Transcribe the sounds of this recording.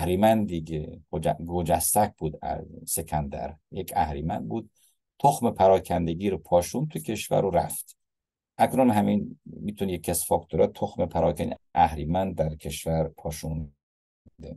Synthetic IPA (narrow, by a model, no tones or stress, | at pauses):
æhɾimænd̪d̪iɡeɡod͡ʒɡod͡ʒæst̪æk̚buːd̪æ̰sekʰænd̪æ̰ɾjekʰæhɾiːmænd̪̚buːd̪̥̚ | t̪ʰoxmepʰæɾɒːkʰænd̪eɡiːɾopʰɒːʃuːnt̪ʰucʰe̞ʃvæ̰ɾuɾæ̰ft̪ | ʔæknunɦæminmit̪ʰunjekʰːæsfɒkt̪ʰuɾɛt̪ʰoxmepʰæɾɒːkʰæniʔæhɾiːmænd̪̚d̪æɾkʰeʃvæɾpʰɒːʃun | ud̪e